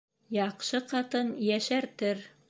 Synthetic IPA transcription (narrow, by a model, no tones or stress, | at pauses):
jɑqʃɤqɑt̪ɤnjæʃæɾt̪ɘɾ